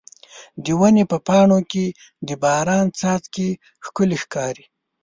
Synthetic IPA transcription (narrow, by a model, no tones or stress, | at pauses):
d̪əwanepəpɑɳoke | d̪əbɑɾɑnt͡sɑt̪ke | xkʊlexkɑɾi